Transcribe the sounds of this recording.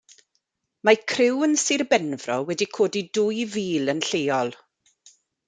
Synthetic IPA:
makʰrɪwənsirbɛnvrɔwɛdikʰoːdidʊjviːlənɬejɔlˠ

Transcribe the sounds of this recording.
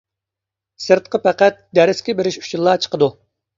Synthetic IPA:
sɨɾt̪̚qəpæqæt̪̚d̪æɾɪskʲɪbɪɾɪʃu̥t͡ʃʰilˠːɑt͡ʃʰə̥qəd̪u

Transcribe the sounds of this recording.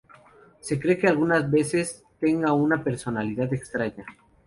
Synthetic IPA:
se̞kɾe̞ke̞alɣunazβe̞se̞s | t̪e̞ŋɡaunape̞ɾso̞naliðaðe̞kst̪ɾaɲa

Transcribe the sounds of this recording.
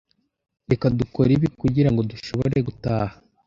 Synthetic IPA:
ɾe̞kaduko̞ɾiβikuɟiɾaŋɡo̞duʃo̞βoɾe̞ɡutaːha

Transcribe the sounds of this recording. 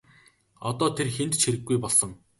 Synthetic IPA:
ɔt̪ɔːt̪ʰerxent̪t͡ɕʰxiɾɘ̆ɡːujpɔɮsɞ̆ŋ

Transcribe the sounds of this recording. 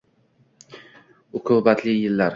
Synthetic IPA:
ʊqʰʊbat̪ʰlɪjɪlːaɾ

